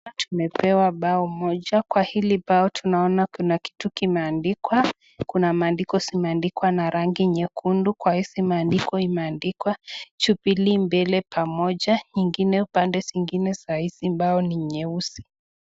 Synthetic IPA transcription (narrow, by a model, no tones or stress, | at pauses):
tʰumɛpɛwaɓaɔmɔʄakwahiliɓaɔtʰunaɔnakunaki̥tukimɛandikwa | kunamaːndikɔsimɛandikwanaɾaŋɡiɲɛkʰundukwahisimaːndikɔimɛandikwat͡ʃupilimbɛlɛpʰamɔʄaɲiŋɡinɛupandɛsiŋɡinɛsahisimbaɔniɲɛusi̥